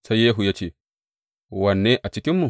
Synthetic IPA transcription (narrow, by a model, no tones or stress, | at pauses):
sajeːɦujat͡ʃi | wanːɛʔat͡ʃikimːu